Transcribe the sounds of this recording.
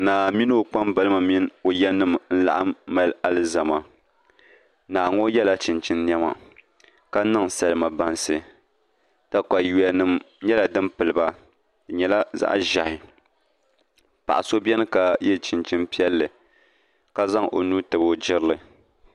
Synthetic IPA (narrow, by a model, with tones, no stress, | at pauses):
naː˨mi˦nɨ˦o˨k͡pa˦mba˦lɨ˦ma˨mi˦n˦o˨jɛ˦nɨ˦mn̩˦la̰˨ʔaː˦a˦la˦lɨ˦za˨ma˨ | naː˨ŋo˦jɛ˦la˦t͡ʃɪ˨nt͡ʃɨ˦nː˦ɛ˦ma̰˨ | ka˦nɨ˦ŋsa˨lɨ˦ma˨ba˦nsɨ˨ | ta˦ka˨ju˨a˨nɨ˦m | ɲɛ˦la˨dɨ˦mpɨ˨lɨ˨ba˦˨ | ɲɛ˨la˦za̰˦ʔʒa˨hɪ˨ | pa˨ʔa˨so˦bʲɛ˦nɨ˦ka˨jɛ˦t͡ʃɪ˨nt͡ʃɨ˦npi˦ɛ˦lːɨ˨ | ka˦za˦ŋʔo̰˨nu˦tɨ˨bo˦d͡ʒɪ˦ɾɨ˦lɨ˨